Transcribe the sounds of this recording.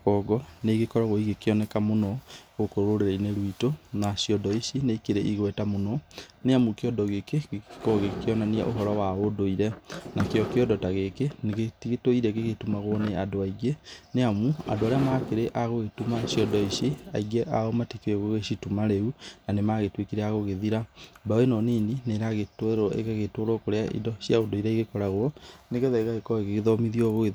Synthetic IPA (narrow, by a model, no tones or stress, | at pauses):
ɔɡɔneɣekɔɾaɣoiɣekeɔnɛkamonɔɣokoɾoɾeɾaineɾwitonaɕiɔdɔiʃineikeɾeʔiɣwɛtamonɔneamukeɔdɔɣekekoɣekeɔnanea̰ʔoɦɔɾɔwaodoiɾɛnakeɔkeɔdɔtaɣekeneɣetiɣetoiɾɛɣeɣetumaɣoneadoaiɡeneamua̰doaɾeamaːkeɾeʔaɣoɣetumaɕiɔdɔiɕea̰iɡɛʔaomatikeɣoɣeʃitumaɾeunanemaɣetwekiɾɛaɣoɣeðiɾabawenɔnenineɾaɣetɾʔḛɣaɣetoɾokoɾeaʔḭdɔɕjaodoiɾɛiɣekɔɾaɣwɔneɣeðɛiɣaɣekɔeɣeɣeðɔmiðiɔɣoeð